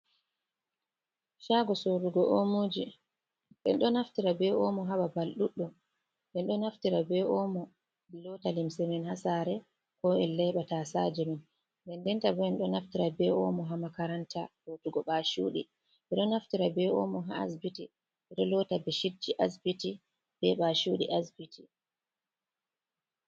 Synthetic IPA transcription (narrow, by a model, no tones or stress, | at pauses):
ʃaɡɔsoɾuɡɔʔomoːd͡ʒi | ɓɛ̰nɗɔnaftiɾabɛɔmɔɦaɓabalɗuɗːɔ | ɓɛnɗɔnaftiɾabɛʔɔmɔ | lɔtalimsɛmɛnhasaɾɛ | kɔɛlːɛɓatasad͡ʒɛmɛn | bɛndɛntabɔɛnɗɔnaftiɾabɛɔ̰mɔɦamakaɾantahotuɡɔɓaʃuɗḭ | ɓɛɗɔnaftiɾabɛɔ̰mɔɦa̰a̰sbiti | ɓɛɗɔlɔtabɛʃid͡ʒiʔasbiti | b̥ɛɓaʃuɗḭʔasbitʰi